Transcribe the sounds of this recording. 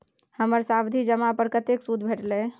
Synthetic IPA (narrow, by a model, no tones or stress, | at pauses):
həməɾsabd̪ʱid͡ʒəmapəɾkət̪eksud̪ʱbʱeʈle